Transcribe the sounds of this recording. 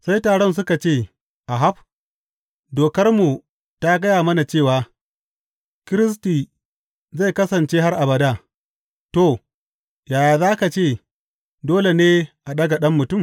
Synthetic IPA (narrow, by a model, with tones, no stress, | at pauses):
sa˦jtaː˨ɽɔ˦ns̬ʊ˦ka˨t͡ʃeː˦˨ | ʔa˨ɦa˦ɸ̚ | doː˨kɐ˦rmu˨ | ta˦ɡɐ˦jaː˨mɐ˦na˨t͡ʃeː˦˨waː˨ | kɪ˦ɾɪ˦s̬tiː˨ | za˦˨jkɐ˦sɐ˨nt͡ʃeː˦ɦa˦rʔa˨bɐ˨daː˦ | to˦˨ | jaː˨jaː˨zaː˦ka˨t͡ʃeː˦˨ | doː˦le˨neː˦ʔa˨ɗɐ˦ɡa˨ɗɐ˦mːʊ˨tʊ˦˨m